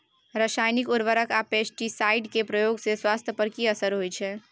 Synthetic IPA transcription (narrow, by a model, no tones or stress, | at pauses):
ɾəʃaːjnikʊɾʋəɾəkapesʈisaɪɖkepɾəjoːɡseswaːst̪ʰjəpəɾkiəsəɾɦojt͡ʃʰɛ